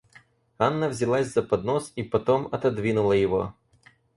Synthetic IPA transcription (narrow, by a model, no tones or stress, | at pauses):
anːəvzʲɪlˠasʲzɐpɐd̪nosipɐt̪omɐt̪ɐd̪vʲinʊlˠəjɪvo̞̰